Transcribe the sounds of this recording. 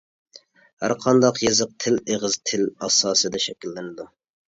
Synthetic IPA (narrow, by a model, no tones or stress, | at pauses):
hæ̰ɾqʰɑnd̪ɑqjezɨq̚t̪ʰɪleʁɨzt̪ʰɪlɑsɑːsɨd̪ɛʃɛkʲilːɪnɪd̪u